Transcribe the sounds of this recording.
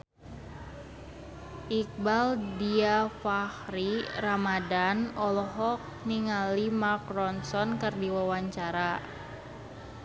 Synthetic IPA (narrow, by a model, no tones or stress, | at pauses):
ʔik̚baldiafahɾiɾamadanɔlɔɦɔk̚niŋalimakrɔnsɔnkɨrdiwawaɲt͡ʃaɾa